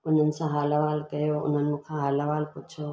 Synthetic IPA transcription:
ʊn̤ənɪ̆sãɦaːlaʋaːlkɐjoʊ̰n̤ənɪ̆mũkʰãɦaːlaʋaːlpʊt͡ʃʰo

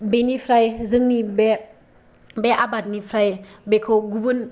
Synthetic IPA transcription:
benipʰɾajzɯŋnibe | beʔabat̚nipʰɾajbekʰoɡubɯn

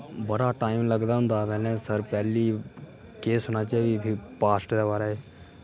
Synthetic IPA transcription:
bəɽaːʈaːɪmləɡd̪aːɦʊ̃nd̪aːʋɛːlẽːsəɾpɛːliː | keːsɦonaːt͡ʃabibʰʱipaːsʈd̪aːbaːɾaɦeː

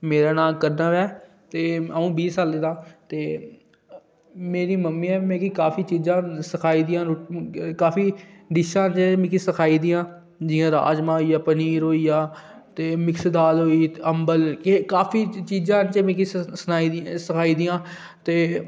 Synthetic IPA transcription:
meːɾaːnaːlkəɾnaːʋɛː | t̪eːəũːbiːsaːleːd̪ãːt̪eː | meːɾiːməmːiːɛːmɛ̃ːkikaːpʰiːt͡ʃiːzãːsəkʰaːiːd̪ɪjãːɾkaːfiːɖɪʃãːt͡ʃmĩːkisəkʰaːiːd̪ɪjãː | d͡ʒɪjãːɾa̰ːd͡ʒmãːiːaːpəniːɾɦoːiːjaː | t̪eːmɪksd̪aːlɦoːiːəmbəlkekaːpʰiːt͡ʃiːzãːt͡ʃəmĩkisənaːisəkʰaːiːd̪ɪjãː | t̪eː

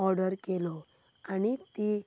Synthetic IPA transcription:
ɔɾɖəɾkelɔ | añit̪i

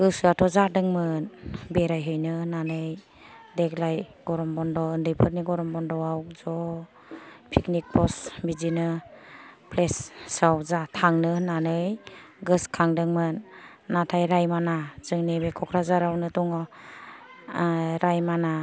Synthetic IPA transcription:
ɡɯsɯatʰɔzadɯŋmɯnbeɾajɦɯjnɯnanɯj | deklajɡ̥ɔɾɔmbɔndɔɯndɯjpʰɯɾniɡɔɾɔmbɔndɔwawzɔ | pʰiknik̚pʰɔsbizinɯ | pʰlessawzatʰaŋnɯnanɯjɡɯskʰaŋdɯŋmɯnː | atʰajɾajmanazɯŋnibekʰɔkʰɾazaɾawnɯtɔŋɔ | ɾajmana

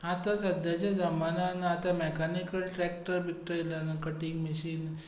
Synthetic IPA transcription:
at̪asəd̪jat͡ɕad͡zəmananaːt̪amɛkanikəlʈɾɛk̚ʈəɾbik̚ʈəelanakəʈiŋɡmiɕiːn

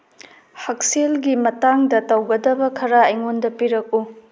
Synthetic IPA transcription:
hɐk̚selɡimɐtaŋdɐtɐwɡɐdɐbɐkʰɐɾaɐjŋondɐpiɾɐk̚u

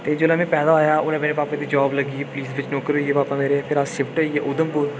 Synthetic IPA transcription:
t̪eːd͡ʒoːlamẽpɛːd̪aːoːjaːʔʊnẽːmeːɾebaːpãd̪iːd͡ʒaːbləɡiːepʊliːsʋɪt͡ʃnoːkəɾoieːbaːpameːɾeɛpʰɪɾaːʃɪpʈəieːʔʊd̪əmpʊɾ

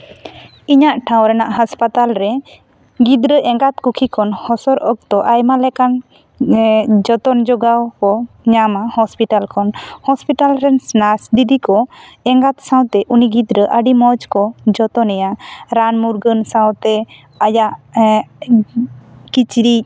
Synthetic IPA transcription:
iɲaʔʈʰãwɾɛnaʔɦaspat̪alɾɛ | ɡid̪ɾəʔɛŋɡat̪kukʰikʰɔnhɔsɔɾʔək̚t̪ɔʔajmalɛkan | d͡ʒɔt̪ɔnd͡ʒɔɡawkɔ | ɲamahɔspiʈalkʰɔnhɔspiʈalɾɛnsnasd̪id̪ikɔɛŋɡat̪sãwt̪ɛʔuniɡid̪ɾəʔəɖimɔd͡ʒkɔd͡ʒɔt̪ɔnɛjaɾanmuɾɡənsãwt̪ɛ | ajaʔ | kit͡ʃɾi

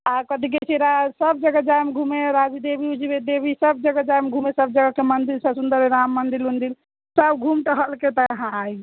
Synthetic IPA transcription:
akəd̪ʱik̬et͡ʃʰiɾasəbd͡ʒəɡəd͡ʒajmɡʱumeɾad͡ʒid̪ebʱiud͡ʒibed̪ebʱisəb̚d͡ʒəɡəd͡ʒajmɡʱumesəb̚d͡ʒəɡəkemənd̪iɾsəsund̪əɾeɾamːənd̪ilund̪il | səbɡʱumʈəɦəlket̪əːɦãaj

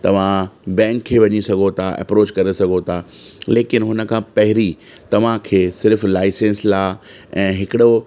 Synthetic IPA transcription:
t̪ɐʋ̤ãbɛ̃ːŋkʰːeːʋɐɲisɐɡʱot̪ʰaʔɛ̰pɾoːt͡ɕkɐɾesɐɡʱot̪ʰaleːkɪnɦʊnə̆kʰãːpɐɦɪɾi | t̪ɐʋ̤ãkʰeːsɪɾflaːɪsẽːnslaːɛ̃ːɦɪkɪɽo

